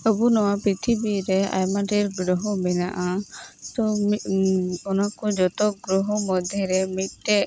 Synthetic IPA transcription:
əbunɔwapɾit̪ʰibiɾɛa̰jmaɖiɾɡɾɔɦɔmɛna̰ʔat̪ɔ | ɔnakud͡ʒɔt̪ɔɡɾɔɦɔmɔd̪ʱɛɾɛmit̪̚tɛʔ

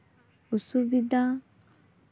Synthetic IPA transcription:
usubid̪a

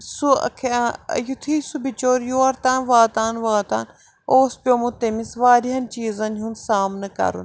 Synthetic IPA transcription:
suɐ̰kʰjut̪ʰiːsubit͡ʃoːɾjoːɐɾt̪aːnʋaːt̪aːnʋaːt̪aːn | oːspʲjoːmut̪emisʋaːɾiɦɐnt͡ʃiːzɐnɦunsaːmnɐkɐ̰ɾṵn

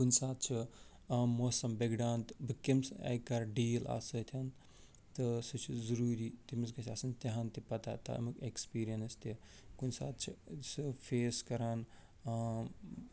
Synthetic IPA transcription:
kunsaːt̪̚ʰt͡ʃʰi | moːsɐmbeɡɖaːnt̪bɨkemsa̰jkaɾɖiːla̰ːsɐt̪ʰɐn | t̪ɨsɨt͡ʃʰizɐɾuːɾit̪imisɡɐt͡ʃʰa̰ːsɐnt̪ɐɦant̪ipɐt̪at̪ɐ̰ɐ̰mɨkekspiːɾijɐnst̪i | kunsa̰ːt̪̚t͡ʃʰisɨpʰeːskɐɾaːn

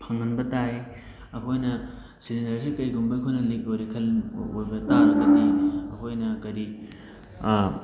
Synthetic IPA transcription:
pʰɐŋːɐnbɐtaj | ɐkʰojnɐ | silindɐɾs̬ikɐjɡumbɐkʰojnɐlek̚ojɾekʰɐlojbɐtaɾɐɡɐdejɐkʰojnɐkɐɾi

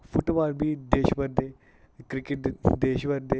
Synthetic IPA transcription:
fuʈʋaːɾbʱid̪eːʃʋəɾd̪e | kɾikeʈd̪eːʃʋəɾd̪e

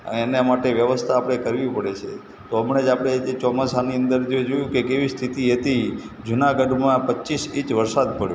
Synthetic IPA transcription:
ə̰enemaʈeʋjəʋəst̪ʰaːpɽ̃ekəɾʋipəɽet͡ʃʰe | t̪oəmɳed͡ʒapɽ̃et͡ʃɔmasaniənd̪əɾd͡ʒoed͡ʒojũkekeʋist̪ʰit̪iɦet̪i | d͡ʒunaɡəɖmãpətːʃisit͡ʃʋəɾsad̪̚bəɭjo

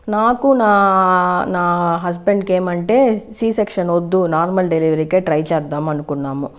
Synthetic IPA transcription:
naːkunaː | naːɦɐsbeɳɖkeːmɐɳʈe̞siːsekʂɐnod̪ːunaːɾmɐlɖeliʋɐɾikeʈɾɐjt͡ʃaːd̪ːamɐnukuɳːaːmu

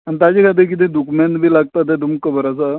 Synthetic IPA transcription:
ant̪ad͡ʑikʰat̪ek̬it̪̬ẽd̪ukment̪bʱiːlaɡ̚t̪at̪ɛd̪umkəbəɾasa

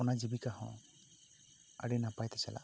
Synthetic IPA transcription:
ɔnad͡ʒibikaɦɔ̰̃ | a̰ɽɛnapajt̪ɛsɛla̰

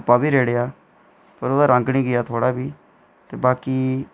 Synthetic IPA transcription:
pːaːbiːɾeːɽejaː | pəɾoːd̪aːɾãːŋɡɽiːɡɪjaːt̪ʰoːɽaːbiː | t̪eːbaːkiː

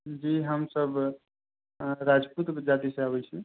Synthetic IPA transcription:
d͡ʒiɦəmsəb | ɾad͡ʒput̪d͡ʒat̪iseaβɛt͡ʃʰi

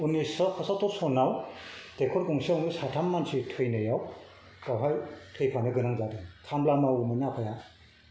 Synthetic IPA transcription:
unisɔkʰɔsaw̚tɔsɔnawd̥ekʰɔɾkɔŋsiawnɯsatʰamːansitʰɯjnɯjaw | kawɦajtʰɯjpʰanɯɡɯnaŋzadɯŋkʰamblamawmɯnapʰaja

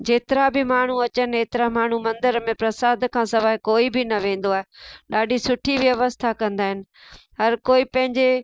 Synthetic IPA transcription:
d͡ʑeːt̪ɪɾabɪmaːɳ̤uɐt͡ɕənɪ̆eːt̪ɪɾamaːɳ̤umɐ̃nd̪əɾmẽpɾɐsaːd̪kʰãːsɐʋaːɦɪkoːibʱɪnɐʋẽːn̆d̪oaːɦeɗaːɖʱisʊʈʰiʋjɐʋəst̪ʰakɐ̃nd̪aːɦɪnɪ̆ɦɐɾkoːipɐ̃ɦɪ̃ɲd͡ʑe

